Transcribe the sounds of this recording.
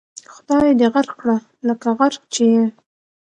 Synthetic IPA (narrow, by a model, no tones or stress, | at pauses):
xʊd̪ɑjd̪eɣaɾkːɽa | ləkaɣaɾk̚t͡ʃeje